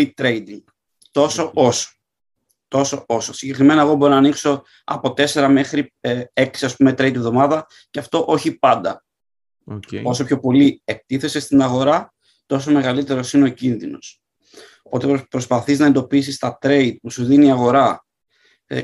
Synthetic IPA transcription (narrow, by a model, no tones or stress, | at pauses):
it̪ɾeid̪i | t̪o̞so̞o̞so̥ | t̪o̞so̞o̞sosiɲɟe̞kɾime̞nɐeɣobo̞ɾonɐnikso̞ | ɐ̰po̞t̪e̞se̞ɾɐme̞xɾie̞ksiɐspume̞t̪ɾejd̪iovðo̞mɐðɐ | ceɐft̪o̞ʔo̞çipɐnd̪ɐ | o̞so̞pço̞po̞lie̞k̚t̪iθe̞se̞st̪inɐɣo̞ɾɐ | t̪o̞s̬ome̞ɣɐlit̪e̞ɾo̞sineo̞cinðino̞̰s | opo̞t̪epɾo̞spɐθiznɐe̞nd̪o̞pis̬ist̪ɐt̪ɾe̞id̪̚pusuðiniiɐɣo̞ɾɐ